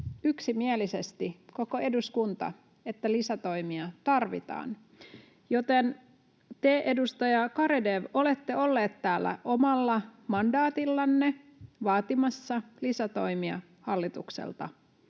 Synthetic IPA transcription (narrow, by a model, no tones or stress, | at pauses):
yksimielise̞st̪iko̞ko̞ʔe̞duskunt̪ɑ̰ | e̞t̪ːælisæt̪o̞jmiɑt̪ɑrʋḭt̪ɑ̰ːn | jo̞t̪e̞n | t̪eʔedust̪ɑjɑkɑɾede̞ʋo̞le̞t̪ːeo̞lːeːt̪tæːlːæ̰ʔo̞mɑlːɑmɑndɑːt̪ilːɑnːe | ʋɑːt̪imɑsːɑlisæt̪o̞jmiɑ̰ | hɑlːit̪uksḛlt̪ɑ̰